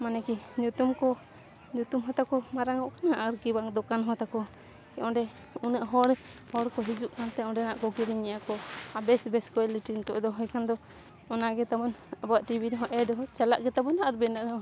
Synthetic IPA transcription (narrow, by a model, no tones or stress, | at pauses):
manɛkiɲut̪umkɔ | ɲut̪umɦɔt̪akɔmaɾaŋɔʔkanaʔaɾkibaŋd̪ɔkanɦɔt̪akɔ | kɛʔɔ̃ɖɛ | unəʔɦɔɾhɔɽkɔɦid͡ʒuʔkʰant̪ɛɔ̃ɖɛnaʔkɔkiɾiɲɛjakɔabɛsbɛskɔɛliʈint̪ɔʔd̪ɔɦɔjkʰand̪ɔ | ɔnaɡɛt̪abɔnabɔwaʔʈibʱiɾɦɔ̃ʔɛɖɔɦɔt͡ʃalaʔɡɛt̪abɔnaʔaɾbɛnaʔd̪ɔ